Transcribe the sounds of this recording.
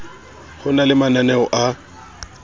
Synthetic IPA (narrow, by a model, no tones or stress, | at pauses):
hʊnalɪmananɛɔʔa